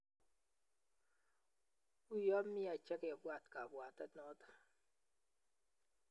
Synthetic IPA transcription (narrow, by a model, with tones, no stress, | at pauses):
u˦jɔ˦m̩˦mi˦a˨t͡ʃe˦ke˨bwa˦˨tka˨bwa˨ta˦tnɔ˦tḁ˦